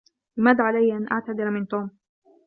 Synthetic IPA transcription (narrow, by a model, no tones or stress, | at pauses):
lɪmad̪ʕalajːʔanʔa̰ʕt̪ad̪ɪɾamɪnt̪uːm